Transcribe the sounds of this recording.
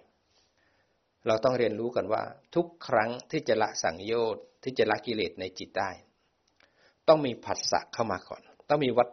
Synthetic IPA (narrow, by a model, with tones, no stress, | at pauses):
ɾa˧wt̪ɔ˥˩ŋɾi˧ənɾuː˦˥ka˧˩nwa̰ː˥˩t̪ʰu˦˥kʰːɾa˦˥ŋt̪ʰiː˥˩t͡ɕa˨˩ʔla̰˦˥ʔsa̰˩˦ŋjoː˥˩t̪̚ʰːiː˥˩t͡ɕa˨˩la˦˥ʔki˧leː˨˩t̪̚na˧jt͡ɕi˨˩t̪̚daː˥˩j | t̪ɔ˥˩ŋmiː˧pʰa˨˩t̪̚sa̰˨˩ʔkʰːa˥˩wmaː˧kʰɔ̰ː˨˩˦nt̪ɔ˥˩ŋmiː˧wa˦˥t̪̚